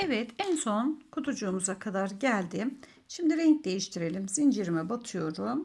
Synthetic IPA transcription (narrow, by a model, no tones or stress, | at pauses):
ɛvɛt̪ʰænso̞nkʰut̪ʰud͡ʒuːmuzakʰad̪aɾɟælʲd̪ɪ | ʃimd̪iɾɛɲc̚d̪e̞jiʃt̪ʰiɾe̞lʲimz̥ind͡ʒiɾimɛbat̪ʰɯjo̞ɾum